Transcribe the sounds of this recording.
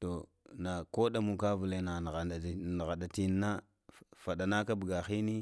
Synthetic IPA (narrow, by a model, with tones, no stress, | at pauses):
to˨ | na˨ko˦ɗa˦mu˨ka˦vu˨le˦na˨n˨ɣa˨a˨n˨ɣa˨ɗa˨ti˦nː˦a˦ | fa˨ɗa˨na˦ka˦bu˨ɡa˨xi˦ni˦